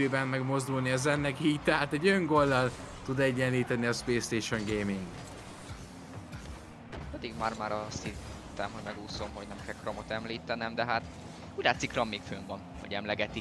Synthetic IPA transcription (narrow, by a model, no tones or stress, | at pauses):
øːbɛmːɛɡmo̞zd̪ulniɒzɛnːɛkiːc̚t̪ɛɦaːt̪ɛɟøŋɡo̞ld̪ɒl | t̪ud̪ɛɟːɛnliːt̪ɛniɒspleːst̪eːʃo̞ŋɡeːmiŋɡ | pɛd̪iɡmaːrmaːɾɒst̪hit̪ɛmhoɟmɛɡuːso̞mɦo̞ɟnɛmkɛlkromot̪ɛmliːt̪ɛnɛmd̪ɛɦat̪ | uːɟlaːt̪sikrɒmːeːkfø̰ːɱvɒnho̰ɟɛmlɛɡɛt̪i